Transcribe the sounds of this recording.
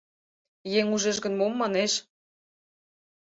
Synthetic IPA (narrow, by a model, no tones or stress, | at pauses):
jeŋuʒĕʒɡə̆nmomːɑneʃ